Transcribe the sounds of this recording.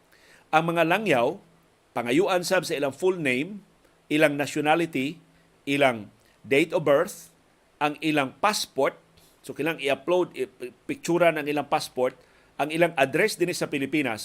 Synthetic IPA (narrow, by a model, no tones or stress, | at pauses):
ʔɐŋmɐŋalaŋjaw | pɐŋɐjuːʔansabsɐʔɪlaŋfulnejm | ʔɪlaŋnaʃʊnalɪt̪ɪ | ʔɪlaŋ | d̪ejt̪obɛɹθ | ʔɐŋɪlaŋpaspoɹt̪̚ | sokɪlaŋɪɐplowd̪ɪpɪk̚t͡ʃuːɾanɐŋɪlaŋpaspoɹt̪̚ | ʔɐŋɪlaŋʔɐd̪ɾɛsd̪ɪnisɐpɪlɪpiːnas